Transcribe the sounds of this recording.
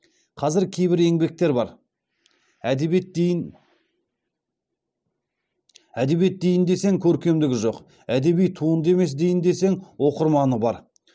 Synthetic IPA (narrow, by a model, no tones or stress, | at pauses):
qʰɑzɪɾkʲʰe̞jbɪɾe̞ŋbe̞k̚t̪e̞ɾbɑɾ | æd̪ | æd̪e̞bje̞t̪̚d̪e̞jɪnd̪e̞se̞ŋkʲʰɵɾkʲe̞md̪ɪɡʲɪʒo̞q | æd̪e̞bijt̪ʰuənd̪əe̞me̞s̬d̪e̞jɪnd̪e̞se̞ŋwo̞qəɾmɑnəbɑɾ